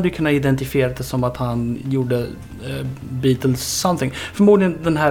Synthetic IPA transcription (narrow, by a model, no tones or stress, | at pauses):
d̪əjʏkʰɵnːaɪd̪ɛnt̪ɪfɪeːɾad̪ɛsɔmat̪hanjuːɖə | biːt̪əlsːɔmt̪ɪŋːfœɾmuːd̪lɪɡənd̪ɛnɦæː